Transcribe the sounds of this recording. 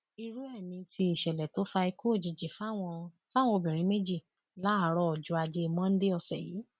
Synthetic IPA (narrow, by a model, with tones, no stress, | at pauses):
i˧ɾu˦ɛ˦˨nĩ˧tʰi˧i˦˨ʃɛ˨lɛ˨to˨˦fa˧i˧ko˦˨d͡ʒi˨d͡ʒi˨fa˦wɔ̃˧ | fa˦w̃ɔ̃˧o˧bĩ˨ɾ̃ĩ˨˦me˦d͡ʒi˦˨ | la˨˦a˨˦ɾɔ˧˦ɔ˨d͡ʒu˧˦a˧d͡ʒe˧mɔ̃˦n̩˦de˦ɔ˧sɛ˦˨jḭː˨˦